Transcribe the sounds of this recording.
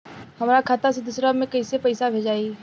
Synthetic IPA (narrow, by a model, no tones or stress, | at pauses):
hɐmɾakʰaːt̪ased̪ʊsɾamẽkɐisepɐɪsabʱeːd͡ʒaːi